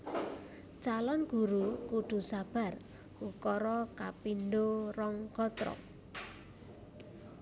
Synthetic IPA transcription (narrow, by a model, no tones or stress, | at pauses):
t͡ʃalɔnɡ̥ṳɾukuɖ̪̥ṳsab̥a̤r | ukɔɾɔkapinɖorɔŋɡ̥ɔt̪ɾɔ̰